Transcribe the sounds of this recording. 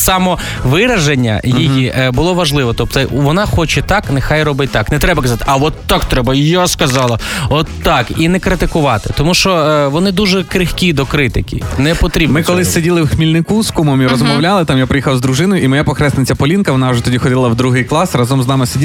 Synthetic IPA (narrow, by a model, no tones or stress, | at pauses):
sɑmɔ | ʋɪɾɐʒenʲːɐ̰jijibʊlˠɔʋɐʒlˠɪʋɔt̪ɔp̚t̪ʋɔnɑxɔt͡ʃɛt̪ɑknɛxɑjrɔbɪt̚ʲt̪ɑknɛt̪ɾɛbɐkɐzɑt̪ɪ̥ʔɐʋɔt̪ːɑkt̪ɾɛbɐjaskɐzɑlˠɐɔt̪ːɑkinɛkɾɪt̪ɪkʊʋɑt̪ɪ̥t̪ɔmuʃt͡ʃɔʋɔnɪd̪uʒɛkɾɪxkʲid̪ɔkɾɪt̪ɪkʲḭnɛpɔt̪ɾʲibmɪkɔlˠɪsʲedʲilˠɪwxmʲilʲnɪkuskumɔmiɾɔzmɔwlʲalˠɪt̪ɑmjapɾɪjixɐwzd̪ɾʊʒɪnɔjʊimɔjapɔxɾɛsnɪt͡sʲːɐpɔlʲinkɐʋɔnɑwʒɛt̪ɔdʲixɔdʲɪlˠɐwd̪ɾuɦɪjklˠɑsrɑzɔmznɑmɪsedʲi